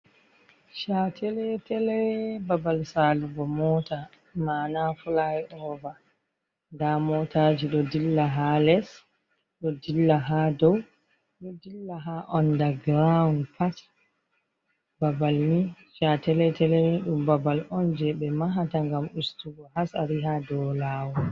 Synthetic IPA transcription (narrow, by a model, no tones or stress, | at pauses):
ʃatʰɛlɛtɛlɛbabalsaluɡɔmɔta | manafulajʔɔva | ndamɔtʰad͡ʒiɗɔdilːaɦalɛs | ɗɔdilːaɦadɔw | ɗɔdilːaɦaʔɔndaɡɾaunpʰat | babalni | ʃatɛlɛtɛlɛmiɗumbabalɔnd͡ʒɛɓɛmaɦataŋɡamustuɡɔɦasaɾiɦadɔlawɔ